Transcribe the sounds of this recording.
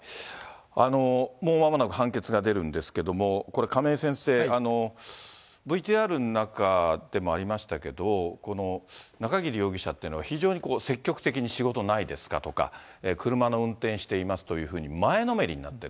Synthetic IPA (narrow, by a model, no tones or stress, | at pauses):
ano̞moːmamonakɯ̟ɦãŋke̞t͡sɨɡad̪e̞ɾɯ̟̃nd̪e̞sɨ̥ke̞d̪o̞mo̞ko̞ɾe̞kame̞ːsẽ̞ɰ̃se̞ːano̞ | bɯ̟it̪iːaɾɯ̟nnakad̪̥e̞mo̞aɾʲimaɕi̥t̪ake̞d̪o̞ko̞no̞nakaɡʲiɾʲijo̞ːɡʲiɕat̪ːeiɯ̟noaçiʑo̞ːɲ̟iko̞ːse̞kʲːo̞kɯ̥t̪e̞k̬ʲiɲ̟iɕiɡo̞t̪o̞naid̪e̞sɨ̥ka̰t̪o̞ka̰eːkɯ̟ɾɯ̟mano̞ɯ̟̃nt̪ẽ̞ɰ̃ɕi̥t̪e̞imasɨ̥t̪o̞jɯ̟ːɸɯ̟ːɲ̟imaeno̞me̞ɾʲḭɲ̟ina̰t̪ːe̞